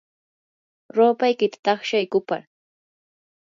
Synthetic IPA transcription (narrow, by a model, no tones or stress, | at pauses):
ɾoːpajkɪt̪ḁt̪ɑχʃajkʊpa̰ɾ